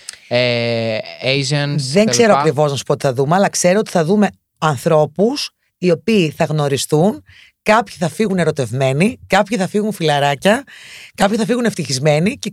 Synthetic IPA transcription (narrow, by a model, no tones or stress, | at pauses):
e | ejʒɐnððe̞ŋkse̞ɾoɐkɾivo̞znɐsu̥pot̪i̥θɐðumeɐlɐkse̞ɾoot̪i̥θɐðume̞ | ɐnθɾo̞pus | io̞piːθɐɣno̞ɾisθun | kɐpçiθɐfiɣune̞ɾo̞t̪e̞vme̞nikɐpçiθɐfiɣunfilɐɾɐcɐkɐpçiθɐfiɣune̞ft̪içizme̞nice